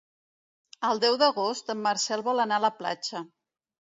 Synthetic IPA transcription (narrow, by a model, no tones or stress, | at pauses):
əlˠd̪ɛwðəɣost̪əmːaɾsɛlˠβɔlənaləpla̰t͡ʃə